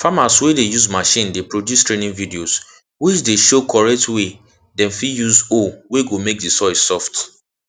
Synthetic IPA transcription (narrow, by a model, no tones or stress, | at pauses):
famaswedejuzmaʃĩndepɹodjustɹenĩŋvidios | wit͡ʃdeʃokʰɔɹɛk̚twe | dɛ̃nfijuzoweɡomek̚disɔɪssɔft